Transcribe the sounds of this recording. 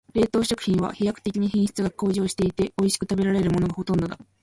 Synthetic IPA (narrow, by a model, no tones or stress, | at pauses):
ɾe̞ːt̪o̞ːɕo̞kɯ̟̥çʲĩɰ̃β̞a̰çijakɯ̟̥t̪e̞kʲiɲ̟içẽɰ̃ɕi̥t͡sɨɡako̞ːʑo̞ːɕi̥t̪e̞it̪e̞o̞iɕi̥kɯ̟t̪abe̞ɾaɾe̞ɾɯ̟mo̞no̞ɡaho̞t̪õ̞nd̪o̞d̪a